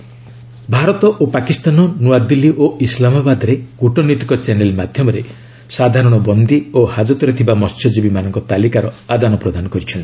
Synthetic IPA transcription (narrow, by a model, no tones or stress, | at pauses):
bʱaɾɔt̪ɔʔopakist̪anɔnuwad̪ilːiʔoislamabad̪ɔɾeɡ̥uʈɔnit̪ikɔt͡ʃenelmad̪ʱjɔmɔɾe | sad̪ʱaɾɔɽ̃ɔbɔnd̪iohad͡ʒɔt̪ɔɾet̪ʰibamɔstʰɔd͡ʒibimanɔ̃ŋkɔt̪alikaɾɔad̪anɔpɾɔd̪anɔkɔɾit͡ʃʰɔni